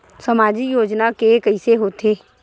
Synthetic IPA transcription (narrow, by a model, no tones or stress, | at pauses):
səmaːd͡ʒijoːd͡ʒnakekəɪseɦoːt̪eː